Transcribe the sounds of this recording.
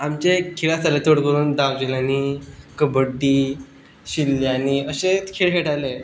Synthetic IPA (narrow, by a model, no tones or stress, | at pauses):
amt͡ɕekʰiɭasalet̪oɽkəɾuːnd̪aʋd͡ʑelaniːkəbəɖːiː | ɕiljaniəɕet͡skʰeɭɦeʈale